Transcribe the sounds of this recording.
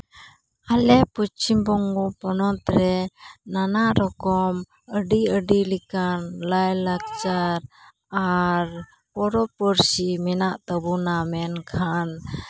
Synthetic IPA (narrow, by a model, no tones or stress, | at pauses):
alɛput͡ʃimbɔŋɡɔpɔnɔt̪ɾɛnanaɾɔkɔm | əɖiəɖilikanlajlak̚t͡ʃaɾ | aɾ | pɔɾɔpɔɾsimɛnaʔt̪əbunamɛnkʰan